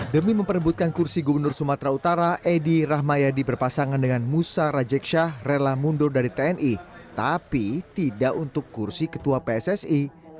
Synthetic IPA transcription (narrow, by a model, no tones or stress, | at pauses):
dəmiməmpəɾəbut̪̚kankursiɡubərnʊrsumat̪ɾaut̪aɾaʔediraɦmajadibərpasaŋandəŋanmusaɾad͡ʒɛkʃahrelamundʊrdaɾit̪eɛnʔit̪apit̪idaʔunt̪ʊkːursikə̥t̪uapeɛsɛsi